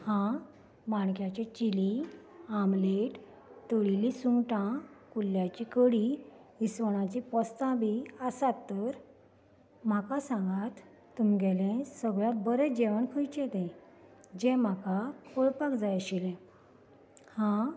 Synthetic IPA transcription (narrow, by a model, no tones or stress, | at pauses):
hã | maɳkjat͡ɕet͡ɕili | amleʈ | t̪əɭilisuŋʈãkulːjat͡ɕikəɽi | isʋəɳ̃at͡ɕipəst̪ãbʱiəsat̪ːəɾ | m̤akasãŋɡat̪ː | umɡɛlẽsəɡɭjãbəɾed͡ʑeʋəɳkʰəjt͡ɕet̪ẽ | d͡ʑɛ̃m̤akakʰoɭpakd͡zajəɕilẽ | hã